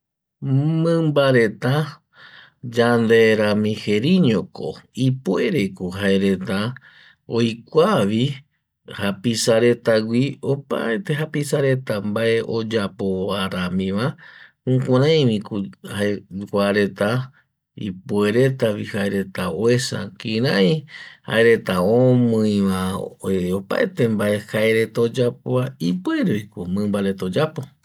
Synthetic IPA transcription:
mɨ̃mbaɾe̞t̪a | d͡ʒand̪eɾãmĩheɾiɲoko̰ipue̞ɾe̞kuɦaeɾe̞t̪a | ojkʷaʋi | hapisaɾe̞t̪aɡʷio̞pa̰et̪e̞ɦapisaɾe̞t̪ambae̞ʔo̞d͡ʒapoaɾamĩʋa | ũkʷãɾãj̃ʋĩkhaekʷaɾe̞t̪a | ḭpwe̞ɾe̞t̪aβihaeɾe̞t̪aoesa̰kĩɾãj̃ha̰eɾe̞t̪aomɨ̃jʋa | opa̰et̪e̞mbae̞haeɾe̞t̪aod͡ʒap̚oaipueɾojkomɨ̃mbaɾe̞t̪od͡ʒapo̞

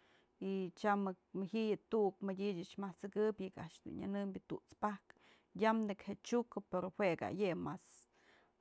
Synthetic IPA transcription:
it͡ʃamɨkmɨhiʔjɨt̪ukmɨdʲid͡ʒɨt͡ʃmaht͡sɨkɨpʲjɨkaʔʂd̪ṵnɲa̰nɨmbʲɨt̪uʔt͡spak | jamnɨkhet͡ʃukɨpeɾohweɡa̰jemas

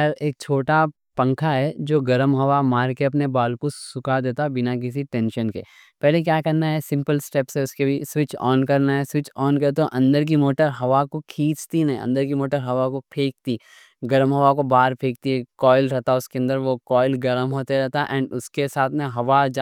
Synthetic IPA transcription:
ɐɾeːk̚t͡ʃʰoːʈa | pɐ̃ŋkʰaɦɛd͡ʒoːɡɐɾəmɦɐʋamaːɾkeɐpnebaːlkosʊkad̪eːt̪abɪnak̬ɪs̬iʈɛ̃ːnʃənkḛ | pɛɦlek̬jaːkɐɾnaɦɛsɪ̃mpəlsʈɛpsɦeʊskebʱiswɪt͡ʃɔ̰ːnkɐɾnaɦɛswɪt͡ʃɔːnkɐt̪oʔɐ̃nd̪əɾk̬imoːʈəɾɦɐʋakokʰĩːt͡ʃt̪inɐɦḭ̃ɐ̰̃nd̪əɾkimoːʈəɾɦɐʋakopʰeːk̚t̪i | ɡɐɾəmɦɐʋakobaːɾpʰeːk̚t̪iɦɛkɔːɪlɾɛɦt̪aʊskeɐ̃nd̪əɾʋokɔːɪlɡɐɾəmɦoːt̪eɾɛɦt̪aʔɛ̃ːɳɖʊskesaːt̪ʰmẽɦɐʋad͡ʒ

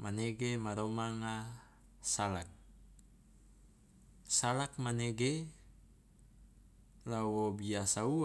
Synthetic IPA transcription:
maneɡemaɾomaŋa | salak̚ | salak̚maneɡe | lawobiasau

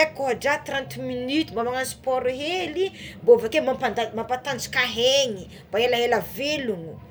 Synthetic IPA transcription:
ekoɦaɖ͡ʐat̪rãnt̪minyt̪umbamaŋasi̥pɔɾuɦelimbovakemapad̪amampat̪ant͡si̥kaɦeɲi | b̥aelaɦelaveluŋu

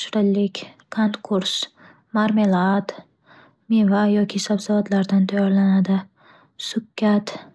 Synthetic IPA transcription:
ʃɾɪlːɪkʲkʰont̪kʰʊɾs | maɾmelˠad̪ | mivajɒkʲʰɪsabsavad̪laɾd̪ant̪ʰajɒɾlanad̪ɪ | sʊkʲʰːat̪

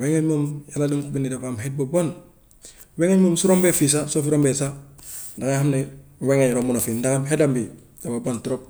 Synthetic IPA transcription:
weŋeɲmomjaladiŋkubinidapamɦet̚bobon | weŋeɲmomsuɾombefis̬asofɾombesadakahamneweŋeɲɾomunofidakamɦedambi | dababontuɾop̚

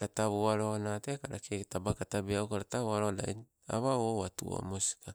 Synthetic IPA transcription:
ɾataβuaɾonatekaɾat͡ʃetabakatabiawkaɾataβuaɾoda̰i | a̰βaowatuo̰musi̥ka

